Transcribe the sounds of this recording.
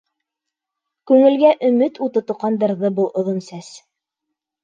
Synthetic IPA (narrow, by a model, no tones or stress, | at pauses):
kʉŋɘ̆lɡæʔɵ̆mɘt̪ut̪ɤ̆t̪ŏqɑnd̪ɤ̆ɾðɤbɤlˠʔŏðonsæs